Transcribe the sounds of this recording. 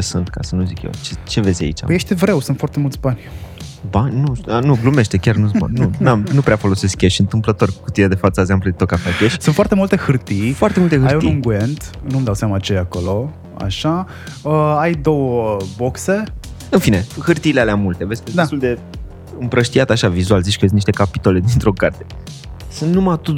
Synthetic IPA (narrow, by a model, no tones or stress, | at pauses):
esunt̪kasənuzikjḛt͡ʃet͡ʃe̞vezʲa̰ḭt͡ʃa̰pəjeʃt̪evɾe̞wsunt̪foart̪e̞mult̪sʲbanʲbanʲnunuɡlume̞ʃt̪e̞kʲarnuz̬o̰nunamnupɾeafo̞lo̞se̞skʲeʃɨnt̪ɨmplət̪o̞ɾrʲkukut̪iad̪e̞fat̪səeɡzempluet̪okafakʲeʃsunfwart̪e̞mult̪e̞hɨrt̪ifoart̪e̞mult̪ehɨaɾjuniɨŋɡuent̪numd̪awsamat͡ʃejakolo̞ | a̰ʃa | əajd̪o̞wəbokse̞ɨnfine̞hɨrt̪iːlealeamːult̪e̞vesʲked̪et̪uld̪e̞ | ɨmpɾəʃt̪iat̪aʃavizualzit͡ʃkəes̬t̪niʃt̪ekapi̥t̪o̞le̞d̪int̪ɾo̞kart̪e | sɨnnumat̪u